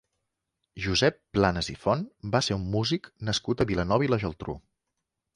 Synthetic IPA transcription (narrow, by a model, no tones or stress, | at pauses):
ʒuzɛpːlanəzifɔnbaseumːuziknəskut̪əβilənɔβiləʒəlˠt̪ɾṵ